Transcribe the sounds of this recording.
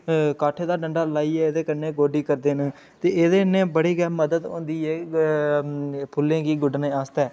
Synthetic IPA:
kaːʈʰːeːd̪aːɖəɳɖaːlaːiːɛːeːd̪eːkənẽːɡoːɖiːkəɾd̪eːnəː | t̪eːeːd̪eːnẽːbəɽiːɡɛːməd̪əd̪õ̰ːnd̪iːeː | pʰʊlːẽːɡiːɡʊɖnẽːaːst̪ɛː

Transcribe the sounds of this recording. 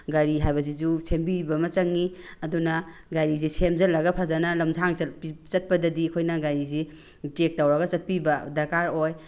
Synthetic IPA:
ɡaɾiɦajbɐs̬izusʰembibɐmɐt͡ʃɐŋːiɐdunɐ | ɡaɾizisʰemzɐlːɐɡɐpʰazanɐlɐmzʰaŋɐpit͡ʃɐt̚pɐdɐdikʰojnɐɡaɾizi | tek̚tawɾɐɡɐt͡ʃɐt̚pibɐdɐɾkaɾoj

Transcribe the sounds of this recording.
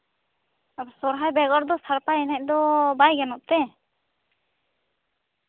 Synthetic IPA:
sɔɾɦajbɛɡɔɾd̪ɔsaɾpaɛnɛc̚ˀd̪ɔbajɡɛnɔʔ̚t̪ɛ

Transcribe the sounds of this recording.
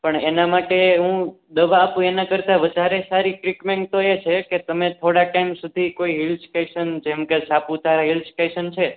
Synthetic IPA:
pəɳenamaʈeɦũ | d̪əʋaːpũenakəɾt̪aʋəd̪ʱaɾesaɾiʈɾikmɛ̃ŋk̚t̪oet͡ʃʰeket̪əmet̪ʰoɽaʈaimsud̪ʱikoiɦilskeʃənd͡ʒemkesapũt̪ʰaɾaɦilskeʃənt͡ʃʰe

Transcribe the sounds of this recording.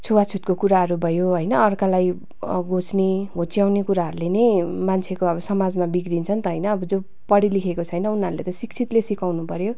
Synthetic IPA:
t͡sʰuwat͡sʰut̪̚kokuɾaɦʌɾubʱʌjoɦʌjnʌʌrkalaj | ɡot͡sneɦot͡sjawnekuɾaɦʌɾulenejmant͡sʰekoʌbʌsʌmad͡zmabiɡrint͡sʰʌnt̪ʌɦʌjnʌːbʌd͡zo | pʌɽilikʰekot͡sʰʌjnʌunɦʌɾulḛt̪ʌsikt͡sʰit̪lesikawnupʌɾjo

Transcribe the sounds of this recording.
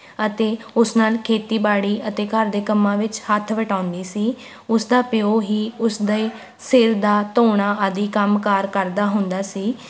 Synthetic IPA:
ət̪eːʊsnaːlkʰeːt̪iːbaːɽiːʔət̪eːkəɾd̪eːkəmːãːʋɪt͡ʃhət̪ʰʋəʈãːʊnd̪iːsiː | ʊsd̪aːpɪoːɦiːʊsd̪eː | sɪɾd̪aːt̪oːɳaːʔəd̪iːkəmkaːɾkəɾd̪aːɦʊnd̪aːsiː

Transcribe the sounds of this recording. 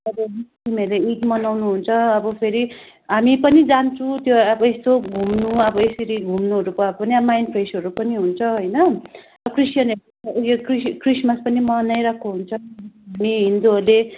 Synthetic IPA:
ʌbʌɦistimeleit̪mʌnawnuɦunt͡sʰʌʌbʌpʰeɾi | ɦamipʌnid͡zant͡sʰũt̪joʌbʌest̪oɡʱumnuʌbʌesiɾiɡʱumnuɦʌɾupʌʌbpʌniʌmajnpʰresɦʌɾupʌniɦunt͡sʰʌɦojnʌ | ʌkrisjʌne | ɡekriskrismaspʌnimʌnajɾakʰoɦunt͡sʰʌamiɦind̪uɦʌle

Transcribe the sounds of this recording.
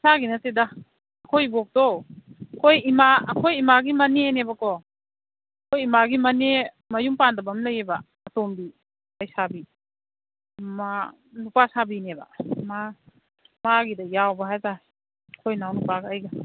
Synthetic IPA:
saɡinɐtedaː | kʰojbɔk̚dɔkʰojimaɐkʰojimaɡimɐnenebakɔ | kʰojimaɡimɐne | mɐjumpandɐbɐmlɐjeba | ɐtombi | ɐjsabi | ma | nupasabineba̰ma | maɡidɐjawbɐɦajta | kʰojnawnupaɡɐːjɡa

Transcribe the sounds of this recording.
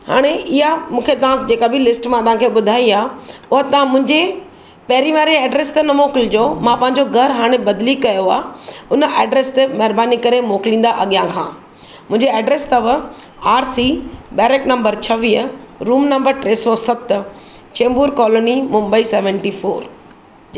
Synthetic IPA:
ha̰ːɽ̃eʔɪɦamũːkʰet̪ɐʋ̤ãd͡ʑeːkabɪlɪsʈmãt̪ɐʋ̤ãːkʰeːɓʊd̪ʱaːiaːʊɦət̪ɐʋ̤ãmʊ̃ɦɪ̃ɲd͡ʑe | pɛːɾiʋaːɾieːɖɾeːst̪ɐnɐmoːkɪld͡ʑoːmãpɐ̃ɦɪ̃ɲd͡ʑoɡʱɐɾɦaːɽ̃ebɐd̪likɐjoa̰ːɦʊnəʔeːɖɾeːst̪emɐɦɪɾbaːnikɐɾemoːkɪlĩːn̆d̪aʔɐɠijãkʰã̰ː | mʊ̃ɦɪ̃ɲd͡ʑeɛːɖɾeːst̪ɐʋ | aːɾsibeːɾeːknɐ̃mbəɾt͡ɕʰɐʋiːəɾuːmnɐ̃mbəɾʈɾeːsɔsɐt̪ | t͡ɕẽːmbuːɾkɔːloːnimʊ̃mbəisɛːʋə̃ɳʈifoːɾ

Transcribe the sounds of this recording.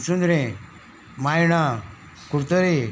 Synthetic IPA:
sund̪ɾẽ | majɽ̃a | kuɾt̪əɾe

